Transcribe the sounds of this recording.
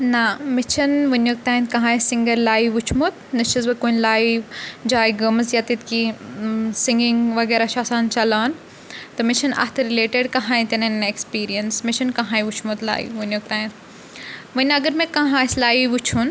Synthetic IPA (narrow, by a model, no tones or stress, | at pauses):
nɐmɪt͡ʃʰɐnʋɐnok̚t̪aːɦĩnt̪kɐ̃ɦãːisɪŋɡəɾlaːiʋut͡ʃʰmot̪̚ʰnɐʃəzbɐkoːnʲlaːiʋd͡ʒaːiɡɐməzjat̪it̪ki | sɪ̃ŋɡiŋɡʋɐɡeːɾaʃaːsaːnt͡ʃɐlaːn | t̪ɐmɪʃʰɐnɐ̰t̪ʰɾileːʈeɖkɐ̃ɦãːĩt̪enɐnekspiːɾijɐnsmɪʃɐnkɐ̃ɦãːiʋut͡ʃʰmot̪la̰ːḭʋunok̚t̪aːɦĩnt̪ | ʋənʲɐɡəɾmẽkɐ̃ɦãːslaːiʋut͡ʃʰun